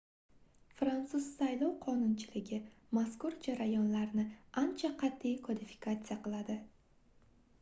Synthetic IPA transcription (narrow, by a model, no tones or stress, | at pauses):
fɾant̪sʊzsajlˠɒwqʰɒnʊnt͡ʃʰɪlɪɡʲɪ | maskʊɾd͡ʒaɾajɒnlaɾnɪant͡ʃʰaqʰɑt̪ʰːijkvod̪ɪfɪ̥kʰat̪sɨjaqɨlˠad̪ɪ